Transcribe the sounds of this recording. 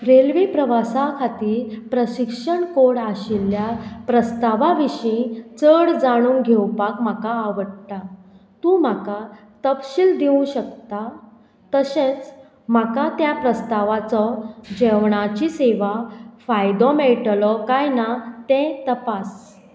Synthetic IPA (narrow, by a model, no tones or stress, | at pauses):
ɾelʋipɾəʋasakʰat̪iːɾpɾəɕikʂəɳkoɽaɕiljapɾəst̪aʋaʋiɕĩt͡səɽd͡zaɽ̃ũːŋɡʱewpakm̤akaːʋəɽt̪a | t̪ũm̤aka | t̪əpɕild̪iũɕək̚t̪a | t̪əsẽt͡s | makat̪japɾəst̪aʋat͡sɔd͡ʑɛʋɳat͡ɕiseʋafajd̪ɔmeʈlɔkajnat̪ɛ̃t̪əpas